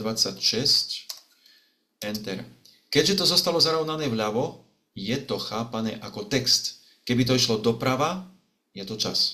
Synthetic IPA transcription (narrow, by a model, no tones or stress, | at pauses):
d̪ʋat͡sːacʃɛsc | ɛnt̪ɛɾ | kɛɟʒɛt̪ɔzɔst̪alɔzaɾɔʊnanɛːvʎaʋɔ | jɛt̪ɔxaːpanɛːʔakɔt̪ɛkst̪ | kɛbit̪ɔiʃlɔd̪ɔpɾaʋa | jɛt̪ɔt͡ʃa̰s